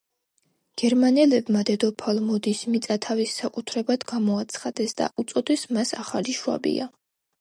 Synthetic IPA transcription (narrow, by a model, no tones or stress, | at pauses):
ɡ̥ɛɾmanɛlɛbmad̪ɛd̪ɔpʰalˠmɔd̪ismit̪sʼat̪ʰavisːakʼut̪ʰɾɛbad̪ɡamɔat̪sʰχad̪̥ɛsd̪̥a̰ʔut̪sʼɔd̪ɛsmasaχaliʃua̰bḭa